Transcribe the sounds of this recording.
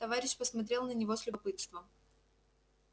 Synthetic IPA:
t̪ɐvaɾʲɪɕpəsmɐt̪ɾʲe̞lˠnənʲɪvo̞sʲlʲʊpɨt̪st̪vəm

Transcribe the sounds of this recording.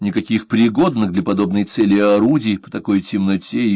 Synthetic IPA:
nʲɪkɐkʲixpɾʲɪɡo̞d̪nɨɣd̪lʲɐpɐd̪o̞bnɨjt̪sɛlʲɪɐɾudʲɪːpə̥t̪ɐko̞jtʲɪmnɐtʲe

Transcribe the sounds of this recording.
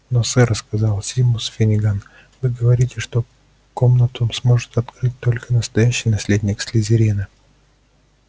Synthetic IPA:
nosɛɾəskɐzɑlˠsʲimʊsfʲɪnʲɪɡan | vɨɡəvɐɾʲitʲɪʂt̪o̞ | komnət̪ʊmsmo̞ʐɨt̪ɐt̪kɾɨt̚ʲt̪o̞lʲkənəst̪ɐjæɕːɪjnɐsʲlʲedʲnʲɪksʲlʲɪzʲɪɾʲinɨ

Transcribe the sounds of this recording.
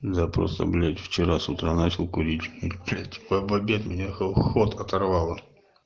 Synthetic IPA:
d̪apɾo̰st̪ə̰blʲatʲft͡ɕɪɾasʊt̪ɾanat͡ɕɪlˠkʊɾʲitʲiblʲatʲpɐjbɐbʲeɐt̪mʲɪnʲaxxot̪ɐt̪ɐrvalˠə

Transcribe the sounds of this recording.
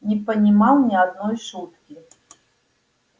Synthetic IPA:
nʲipɐnʲimawnʲiad̪nɔjʂut̪kʲi

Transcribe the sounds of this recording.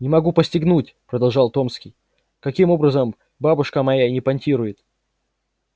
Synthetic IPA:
nʲɪmɐɡupəsʲtʲɪɡnutʲpɾəd̪ɐlˠʐɑlˠt̪o̞mskʲɪj | kɐkʲimo̞bɾəzəm | babʊʂkəmɐjanʲɪpɐnʲtʲiɾʊjɪt̪

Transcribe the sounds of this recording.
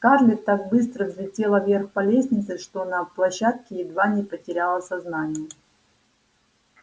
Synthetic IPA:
kaʐlʲɪt̪ak̚bɨst̪ɾəvzʲlʲɪtʲe̞lˠəvʲerxpɐlʲesʲnʲɪt̪sɨʂt̪o̞nɐplˠɐɕːat̪̚kʲɪɪd̪vanʲɪpətʲɪɾʲalˠəsɐznanʲɪjə

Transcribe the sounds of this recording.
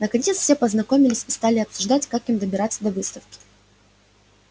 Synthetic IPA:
nəkɐnʲet̪sfsʲe̞pəznɐko̞mʲɪlʲɪsʲist̪alʲɪɐpsʊʐd̪atʲkakimd̪əbʲɪɾat̪sːəd̪ɐvɨst̪əfkʲɪ̥

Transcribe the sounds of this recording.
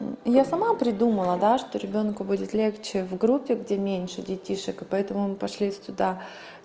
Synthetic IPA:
jasɐmapɾʲɪd̪uməlˠəd̪aʂt̪o̞ɾʲɪbʲo̞nkʊbudʲɪt̪lʲe̞xt͡ɕɪvɡɾupʲːɪɡdʲemʲenʲʂɨdʲɪtʲiʂɨkɨpɐɛt̪əmʊmɨpɐʂlʲisʲt̪ʊd̪a

